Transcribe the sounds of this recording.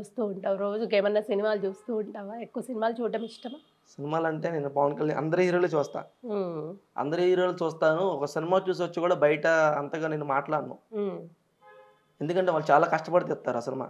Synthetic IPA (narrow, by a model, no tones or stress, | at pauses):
uːst̪uːuɳʈaːʋɾoːd͡ʒukeːmɐnːɐsinimaːlut͡ʃuːst̪uːɳʈaːʋaekːuʋɐsinimaːlut͡ʃuːʈɐmiʂʈɐma | sinimaːlɐɳʈe̞ːnenːupɐʋɐnkɐɭjaːnɐ̰nd̪ɐɾiɦiːɾoːlut͡ʃuːst̪a̰ː | ɐ̰nd̪ɐɾiɦiɾoːlut͡ʃuːst̪aːnuɔkɐsinimaːt͡ʃuːs̬iʋɐt͡ʃːikuːɽaːbɐjɐʈɐɐnt̪ɐɡaːneːnːumaːʈlaːnːṵː | e̞nd̪ukɐɳʈeːʋaːlːut͡ʃaːlaːkɐʂʈɐpɐɽit̪̬it̪ːaːɾuɐsinima̰ː